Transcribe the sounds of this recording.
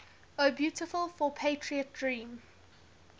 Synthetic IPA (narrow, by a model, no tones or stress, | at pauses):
əbjuːˑtɪfəlˠfɔpʰeɪtʰɹiət̚dɹĩːm